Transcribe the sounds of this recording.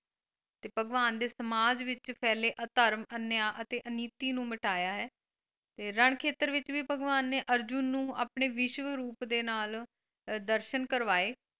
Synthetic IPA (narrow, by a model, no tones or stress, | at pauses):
t̪eːbʱəɡʋaːnd̪eːsəmaːd͡ʒʋɪt͡ʃpʰɛːleːʔət̪əɾmənjaːʔət̪eːʔəniːt̪iːnũːməʈaːjaːɦɛː | t̪eːɾəɳkʰeːt̪əɾʋɪt͡ʃʋiːbəɡʋaːnːeːʔəɾd͡ʒʊnːũːa̰ːpɳeːʋɪʃʋəɾuːpd̪eːnaːl | d̪əɾʃənkəɾʋaːeː